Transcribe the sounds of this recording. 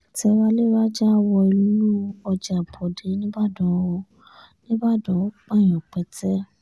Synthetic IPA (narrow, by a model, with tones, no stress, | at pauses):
tɛ˧wa˦le˦˨˦ɾa˦d͡ʒa˦˨wɔ˧i˧lu˦lu˦ɔ˧d͡ʒa˨bʰɔ˨de˨˦nĩ˦ba˦˨dɔ˨˦˧ | nĩ˦ba˦˨dɔ˨˦k͡pa˦˨j̃ɔ̃˨k͡pɛ˨˦tɛ˦